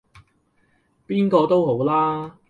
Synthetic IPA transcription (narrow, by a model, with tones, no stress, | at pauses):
piː˥nkɔː˧t̪o˥who˨˥wlaː˥